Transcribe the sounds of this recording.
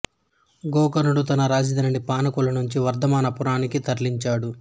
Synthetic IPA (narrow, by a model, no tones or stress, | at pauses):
ɡɔːkɐnuɽut̪ɐnɐɾaːd͡ʒid̪ɐnɐɳipaːnɐkulɐnuɲt͡ʃiʋɐɾd̪ʱɐmaːnɐpuɾaːnikit̪ɐɾliɲt͡ʃaːɽu